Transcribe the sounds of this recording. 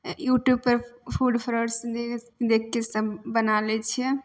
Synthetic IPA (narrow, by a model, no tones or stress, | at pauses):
juʈjub̚pəɾpʰuɖpʰɾoɖsd̪e | d̪ekʰkesəbːənalɛt͡ʃʰiɛ